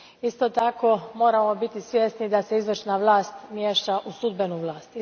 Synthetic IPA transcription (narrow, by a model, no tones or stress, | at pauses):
ist̪ot̪ako̞mo̞ːɾamo̞bit̪isʋje̞st̪nid̪ase̞izʋr̩ʃnaʋlˠaːst̪mjeːʃaʔusud̪be̞nuʋlˠaːst̪